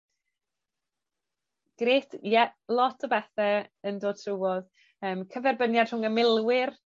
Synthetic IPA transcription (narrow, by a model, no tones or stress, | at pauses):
ɡ̥reːtʰjɛlˠɔtʰɔbɛθɛəndoːd̥̚tʰrəwɔð | əːmkʰəvɛrbənjad̥r̥ʊŋəmɪlˠwɪr